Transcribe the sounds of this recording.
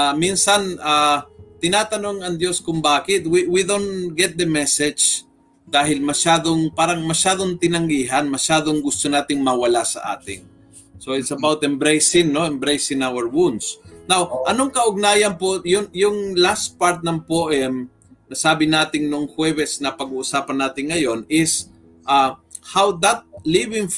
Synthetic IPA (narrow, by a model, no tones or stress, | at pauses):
ʔaminsɐnaːt̪ɪnaːt̪ɐnoŋɐŋd̪joskʊŋbaːkɪt̪̚wiwid̪ont̪ɡɛt̪̚d̪ɐmɛsɛd͡ʒ | d̪aːɦɪlmɐʃaːd̪oŋpaːɾɐŋmɐʃaːd̪oŋt̪ɪnɐŋɡiːɦɐnmɐʃaːd̪oŋɡʊst̪onaːt̪ɪŋmɐwɐlasɐ̰ʔa̰ːt̪ɪ̰ŋ | soɪt̪sɐbawt̪ɛmbɾɛjsɪŋno̞ɛmbɾejsɪnawɛɹwunsnawʔɐnoŋkɐʔʊɡ̚naːjɐnpojʊŋjʊŋlast̪̚paɾt̪̚nɐŋpoʔɛm | nɐsaːbɪnaːt̪ɪŋnʊŋhwɛbɛsnɐpɐɡuʔʊsaːpɐnaːt̪ɪŋːɐjo̞nɪs | ʔahawd̪ɐt̪̚livɪŋ